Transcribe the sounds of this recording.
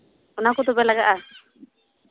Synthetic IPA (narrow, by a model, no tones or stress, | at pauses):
ɔnakɔt̪ɔbɛlaɡaʔa